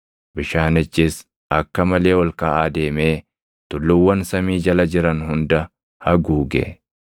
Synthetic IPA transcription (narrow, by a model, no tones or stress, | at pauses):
bɪʃaːnɪt͡ʃːɪs | ɐkːɐmɐle̞ːwɔlkɐːʔaːd̪e̞ːme̞ː | t̪ʊlːʊwːɐnsɐmiːd͡ʒɐlɐd͡ʒɪɾɐnhʊnd̪ɐ | hɐɡuːɡḛ